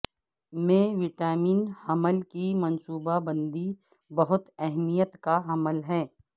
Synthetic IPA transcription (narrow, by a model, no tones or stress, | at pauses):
mẽʋɪʈaːmiːnhɐməlkimɐnsuːbabə̃nd̪i | bɐɦʊt̪ɛɦmijət̪kaɦɐməlɦɛː